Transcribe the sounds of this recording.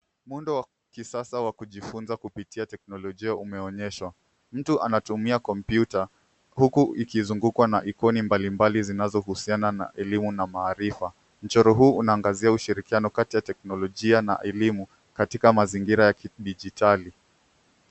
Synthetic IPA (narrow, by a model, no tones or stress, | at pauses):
mundɔwa | kisasawakuʄifunzakupitiatɛknɔlɔʄiaumɛɔɲɛʃwa | m̩tuʔa̰natumiakɔmpjuta | hukuikizuŋɡukwanaʔikɔnimbalimbalizinazɔhusianana̰ʔɛlimunamaːɾifa | m̩t͡ʃɔɾɔɦuːunaːŋɡaziauʃiɾikianɔkatijatɛknɔlɔʄiana̰ʔɛlimu | katikamaziŋɡiɾajakɗiʄitʰali